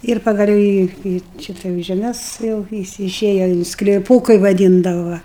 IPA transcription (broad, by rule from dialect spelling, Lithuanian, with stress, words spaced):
ɪr pɐɡɐˈlʲɛʊ iː iː ˈʃʲɪtɐ jɛʊ ʒʲɛˈmʲɛs jɛʊ ʋʲɪˈsʲɪ ɪˈʃʲeːjɛ ɪn sklʲɪˈpuː kɐɪ ʋɐˈdʲiːndɐʋɐ ˈʋɐ